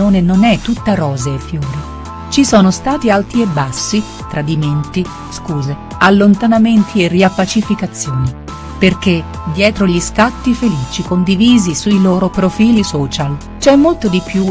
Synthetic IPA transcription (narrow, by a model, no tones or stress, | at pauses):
oːnenonɛt̪ːut̪ːaɾɔːzeːfːjoːɾi | t͡ʃisɔːnost̪aːt̪ialt̪iebːasːi | t̪ɾad̪iment̪i | skuːze | alːont̪anament̪ʰieriapːat͡ʃifikat̪sːjoːni | perk̟e | d̪jɛːt̪ɾoʎiskat̪ːifeliːt͡ʃikond̪iviːzisuiloːɾopɾofiːlisɔːt͡ʃal | t͡ʃɛmːolt̪od̪ipju